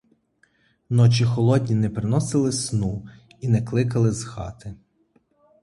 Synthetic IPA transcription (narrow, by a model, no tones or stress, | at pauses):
nɔt͡ʃʲixɔlˠɔdʲnʲinɛpɾɪnɔsɪlˠɪsnu | inɛklˠɪkɐlˠɪzxɑ̰t̪ɪ